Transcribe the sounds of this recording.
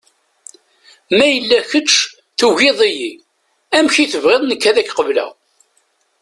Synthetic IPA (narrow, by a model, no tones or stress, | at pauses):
mæjəlːæçət͡ʃː | θuʝɪðˤiji | æmçiθəvʁeðˤnəkːæðækːqəvlæ̰